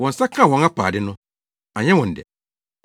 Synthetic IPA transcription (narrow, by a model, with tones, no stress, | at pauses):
wɔ̃˨n˨sa˦kʰã˦˨hɔ̃˨ŋa˦pʰa̰ː˨dɪ˦nʊ̃˦ | a˨ɲɛ̃˦wɔ̃˨n̩˨dɛ̰˨